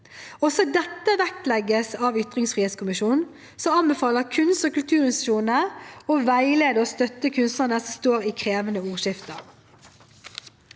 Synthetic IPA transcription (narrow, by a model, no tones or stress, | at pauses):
ɔsɔd̪ɛt̪ːəʋækt̪lɛɡːəsɑʋʏt̪ʁɪŋsfʁiːeːt̪skʊmɪʃuːnn | sɔɑnbɛfɑːləʁkʰʉnst̪ɔkʉlt̪ʰʉːʁɪnst̪ʃuːnəɔʋæɪleːd̪əɔst̪œt̪ːəkʰʉnst̪nəʁnəsɔmst̪oːɾikʰʁeːʋənəuːʁʃɪft̪əʁ